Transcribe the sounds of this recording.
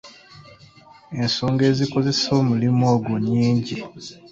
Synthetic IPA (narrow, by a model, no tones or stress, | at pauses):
e̞nsoːŋɡe̞ːziko̞ze̞so̞ːmulimoːɡuɲːiːɲɟi